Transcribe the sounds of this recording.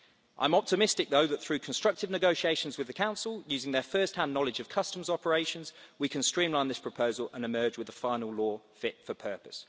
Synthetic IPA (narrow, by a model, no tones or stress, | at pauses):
ʔã̰ɪ̃mɒp̚tʰɪmɪstɪk̚ðəʊðət̪θɹʉːkʰə̃nstɹ̥ʌk̚tɪvnɪɡəʊʃieɪʃə̃nzwɪðəkʰãʊ̃nsəlˠjʉːzɪ̃ŋðəfɜˑsthãnːɒlɪd͡ʒəv̥kʰʌstə̃mzɒpəɹeɪʃə̃nz̥wikʰə̃nstɹ̥ĩːmlãɪ̃nɪspʰɹ̥əpʰəʊzələ̰̃nɪmɜːd͡ʒwɪðəfãɪ̃nəlˠlɔːfɪtfəpʰɜˑpə̥s